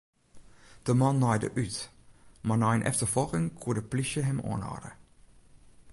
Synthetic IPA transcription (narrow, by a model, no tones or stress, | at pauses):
d̥əmɑnːɑjdə̰ʔytmanɔjnʔɛ̰ftərfɔlˠkɪŋkʰuədəpliʃəɦɛmɔ̰ːnɑ̰ːdə